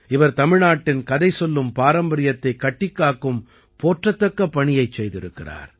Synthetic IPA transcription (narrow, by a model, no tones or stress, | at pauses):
ɪʋɐɾt̪ɐmɪɻnaːʈːɪnkɐðɐɪsɔlːɯmpaːɾɐmbɐɾɪjɐt̪ːɐɪkːɐʈːɪkːaːkɯm | poːʈrɐt̪ːɐkːɐpːɐɳɪjɐɪt͡ʃsɛjðɪɾɯkːɪra̰ːɾ